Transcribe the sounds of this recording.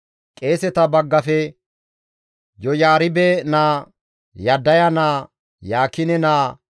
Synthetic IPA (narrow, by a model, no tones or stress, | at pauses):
kʼe̞ːsɛt̪ɐbɐɡːɐfɛ | jɔjaːɾɪbɛnaː | jɐd̪ːɐjɐnaː | jaːkːɪnɛnaː